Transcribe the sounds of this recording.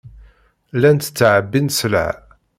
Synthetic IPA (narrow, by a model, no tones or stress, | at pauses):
lænt̪t͡sːʕəbːinslə̰ʕ